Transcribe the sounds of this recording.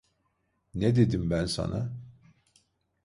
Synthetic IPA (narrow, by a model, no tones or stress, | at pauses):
ned̪ed̪imbænsɑ̰nʔɑ